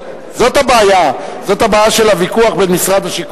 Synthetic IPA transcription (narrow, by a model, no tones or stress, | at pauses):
zo̞tabeajazo̞t̪habaːjaʃelavikuaχbenmisʁad̪aʃik